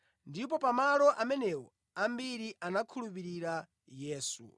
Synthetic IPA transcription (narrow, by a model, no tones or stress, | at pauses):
ndip̬ɔpamalɔʔamɛnɛwɔ | ambiɾiʔanakʰulup̬iɾiɾa | jɛːsṵ